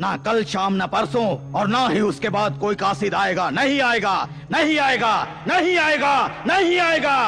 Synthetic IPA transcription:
nakɐlʃaːmnɐpɐɾsõɔːɾnaɦiʊskebaːd̪koːikaːsid̪aːeːɡaːnɐɦĩaːeːɡaː | nɐɦĩaːeːɡaː | nɐɦĩaːeːɡaːnɐɦĩaːeːɡaː

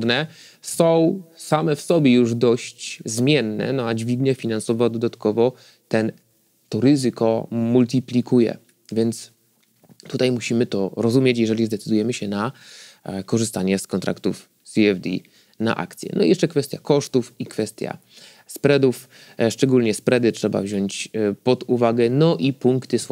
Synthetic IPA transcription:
d̪nɛ | sɔ̃w̃samɛfsɔbʲjɛjuʐd̪ɔɕt͡ɕzmʲjɛnːɛ̰nɔad͡ʑvʲiɡ̪ɲɛfʲinansɔvɔd̪ɔd̪at̪kɔvɔ | t̪ɛn | t̪ɔɾɘzɘkɔmult̪̬ʲiplʲikujɛ̰ | vʲjɛnt̪s | t̪ut̪ajmuɕimɘt̪ɔɾɔzumʲjɛt͡ɕjɛʐɛlʲizd̪ɛt̪sɘd̪ujɛmɘɕɛna | kɔʐɘst̪aɲɛskɔnt̪ɾʔa̰kt̪uf | sʲiɛvd̪ḭ | na̰ʔa̰kt̪sʲjɛ̰nɔ̰jɛʂt͡ʂɛkfɛst̪ʲja̰kɔʂt̪ufikfɛst̪ʲja̰ | spɾɛd̪uf | ʂt͡ʂɛɡulɲɛspɾɛd̪ɘtʂɛba̰vʑɔɲt͡ɕpɔd̪uvaɡɛnɔʔipuŋkt̪ɘs

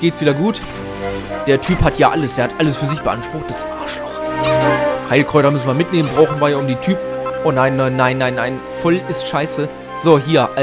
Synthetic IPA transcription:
ɡ̥eːtsviːdɐɡuːt | d̥eːɐtʰyːphatʰjaːʔaləsd̥eːɐhatʔaləsfyːɐzɪçb̥əʔa̰nʃpʁ̥ʊχt̚d̥asʔaːɐʃlɔχzohaɪlkʁ̥ɔʏtɐmʏsn̩viɐmɪtneːmənbʁaʊxn̩vaːɐjaːʊmdiːtʰyːpʔoːnaɪnːaɪnːaɪnːaɪnːaɪn | fɔlɪstʃaɪsə | z̥oːɦiːɐʔa

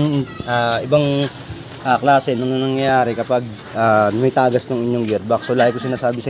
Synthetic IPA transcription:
ŋʔaʔɪbɐŋ | ʔaklaːsɛnɐŋnɐnɐŋjɐaːɾɛkɐpɐɡ̚ | ʔaːnɐmɪt̪aːɡɐsnoŋɪɲːoŋɡɛɾ̚bɐkslaːhɐjkosɪnaːsaːbɪsɐ

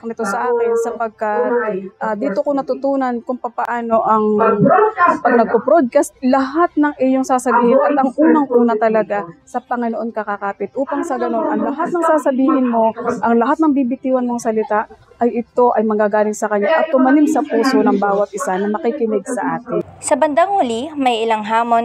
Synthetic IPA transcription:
nɪt̪o̞sɐʔaːkɪnsɐpɐɡ̚kat̪̚ʔaːd̪iːt̪okonɐt̪ʊt̪uːnɐnkʊŋpɐpɐʔaːno̞ʔɐŋ | pɐɡ̚nɐɡ̚popɾod̪̚kast̪lɐɦat̪̚nɐŋʔɪjoŋsaːsɐbiːhɪnʔɐt̪ʔɐŋʔuːnɐŋʔuːnɐt̪ɐlɐɡasɐpɐŋɪnoʔo̞nkɐkakaːpɪt̪̚ʔuːpɐŋsɐɡɐno̞nʔɐŋlɐɦat̪̚nɐŋsaːsɐbiːhɪnmo̞ʔɐŋlɐɦat̪nɐŋbiːbɪt̪iːwɐnmoŋsɐlɪt̪aʔ | ʔɐjɪt̪o̞ʔɐjmɐɡaːɡaːlɪŋsɐkɐɲːaʔɐt̪ːʊmɐlimsɐpuːso̞nɐŋbaːwɐt̪̚ʔɪsanɐmɐkikɪnɪɡ̚sɐʔaːt̪ɪnsɐbɐnd̪aŋʊlimɐjʔɪlaŋɦaːmon

